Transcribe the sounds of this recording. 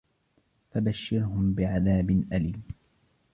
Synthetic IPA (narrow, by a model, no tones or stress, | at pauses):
fabaʃːɪɾhʊmbɪʕaðaːbɪnʔaliːl